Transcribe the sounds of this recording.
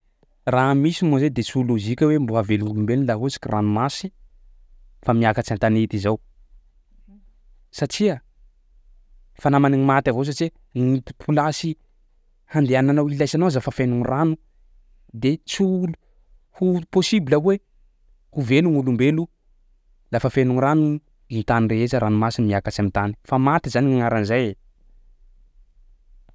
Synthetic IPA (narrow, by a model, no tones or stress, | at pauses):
ramisimozed̪et͡suluzikʲəwembuaveluŋulumbellaɦusi̥kʲiranumasi̥ | famiakat͡ʃant̪anet̪izaw | saʈ͡ʂia | fanamaniŋimat̪avows̬aʈ͡ʂie | ŋit̪i̥pʰulasi | hand̪eananawilajsanowazafafenuŋranu | d̪et͡sulu | huposibilawe | huveluŋulumbelu | lafafenuŋɾanu | int̪anireɦezəɾʔanumasinimiakat͡samint̪ani̥famat̪izaniŋaŋaɾanzaje